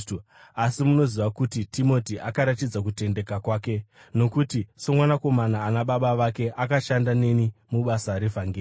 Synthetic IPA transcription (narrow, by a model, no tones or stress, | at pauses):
asimuno̞ziʋakutitimo̞tiʔakaɾatid͡zak̬ute̞nde̞kakwaːke̞ | no̞kutiso̞mwanako̞manaːnaɓaɓaʋake̞ʔakaʃandane̞nimuɓasaɾevaŋɡeː